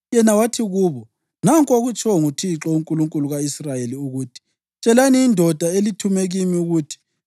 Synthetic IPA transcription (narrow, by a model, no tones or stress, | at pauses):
jɛnawatʰiɣuːβɔ | naŋkʼoɣut͡ʃʰʼɔŋutʰiǁɔuŋkʼuluŋkʼuluɣaisrajeliuɣuːtʰi̥ | t͡ʃʼɛlaniːndʱɔd̥ʱaelitʰumeɣimiuɣuːtʰi̥